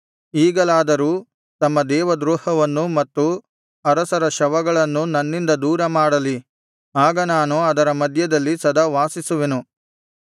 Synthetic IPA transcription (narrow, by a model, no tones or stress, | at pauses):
iːɡɐlaːd̪ɐɾuː | t̪ɐmːɐd̪ɛːʋɐd̪ɾuːhɐʋɐnːumɐt̪ːu | ɐɾɐsɐɾɐʃɐʋɐɡɐɭɐnːunɐnːind̪ɐd̪uːɾɐmaːɽɐli | aːɡɐnaːnuɐd̪ɐɾɐmɐd̪ʱjɐd̪ɐlːisɐd̪ɐʋaːsisuʋenu